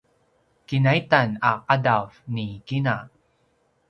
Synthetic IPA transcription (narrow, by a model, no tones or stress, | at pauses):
kinaitanaqadavnikina